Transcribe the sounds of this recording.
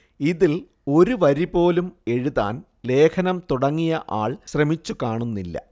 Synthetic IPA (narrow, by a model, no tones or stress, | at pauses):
iðil | o̞ɾuʋɐɾipo̞ːlume̞ɻuða̰ːn | le̞ːkʰɐnɐmt̪uɽɐŋːijɐʔa̰ːɭɕrɐmit͡ɕːukaːɳunːilːɐ̰